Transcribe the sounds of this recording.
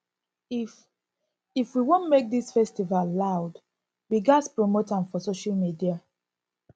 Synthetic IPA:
if | ifwiwõnmek̚disfɛstivallaʊd | wiɡaspɹomotãnfɔsoʃalmidia

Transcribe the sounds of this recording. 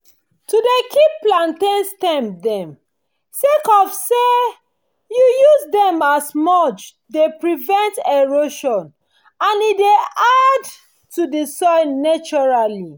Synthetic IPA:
tudekʰippːlãntẽnstɛ̃mdɛ̃m | sekɔfse | jujuzdɛ̃masmɔt͡ʃ | depɹivɛ̃nteɹoʃɔ̃n | ãnidead | tudisɔjnat͡ʃɔɹali

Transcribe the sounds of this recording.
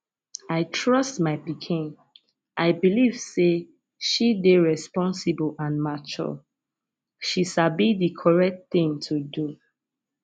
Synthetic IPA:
aɪtʰɹɔstmaɪpikʰĩn | ʔaɪbiliv̥se | ʃideɹɛspɔ̃nsibəlãnmat͡ʃɔ̰ | ʃiʃabidikʰɔɹɛk̚tθĩŋtʰudu

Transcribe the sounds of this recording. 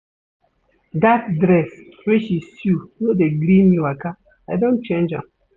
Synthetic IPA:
dat̚dɾɛs | weʃisjunodeɡlĩmiwaka | adõnt͡ʃẽnd͡ʒã̰m

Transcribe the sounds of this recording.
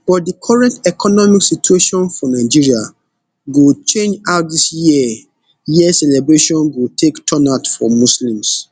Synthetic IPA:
b̥ɔt̚dikʰɔɹɛ̃ntɛkʰɔnɔmiksitueʃɔ̃nfɔnaɪd͡ʒiɹia | ɡut͡ʃẽnd͡ʒaʊt̚disji | jiɛsɛlɛbɹeʃɔ̃nɡutʰektʰɔ̃natfɔmuslĩms

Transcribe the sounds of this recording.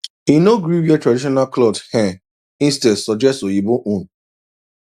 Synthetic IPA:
inoɡɾiwiɛtɹadiʃɔnalklɔdhɛ̃ | ĩnstɛdsɔd͡ʒɛstojibõʔũn

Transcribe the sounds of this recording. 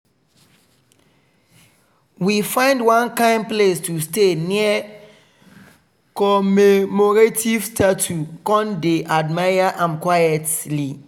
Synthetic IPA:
wifãɪ̃ndwãnkãɪ̃nplestusteniə | kɔmemɔɹativstatʰukɔ̃ndeʔadmajaʔãmkwajɛtli

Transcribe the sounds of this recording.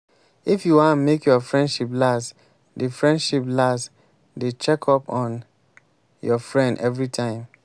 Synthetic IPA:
ifjuwãnmekjɔfɹɛ̃ndʃiplas | defɹɛ̃ndʃiplast | det͡ʃɛkʰɔpɔ̃n | jɔfɹɛ̃ndɛvɹitʰãɪ̃m

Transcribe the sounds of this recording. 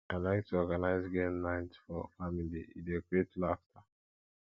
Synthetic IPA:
ãlaɪk̚tʰuɔɡanaɪzɡenːãɪ̃ntfɔfamilḭḭdeɡɹietlaftʰa

